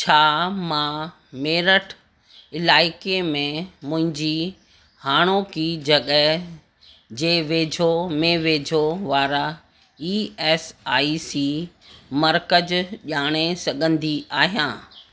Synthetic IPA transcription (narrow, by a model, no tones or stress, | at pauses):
t͡ɕʰaːmãː | meːɾəʈʰ | ɪlaːɪkemẽmʊ̃ɦɪ̃ɲd͡ʑi | haːɽ̃okid͡ʑɐɠəɦ | d͡ʑeːʋeːd͡ʑʱomẽʋeːd͡ʑʱoʋaːɾa | iːɛːsaːisiː | mɐɾkəd͡ʑʄaːɽ̃esɐɡʱə̃nd̪iaːɦijãː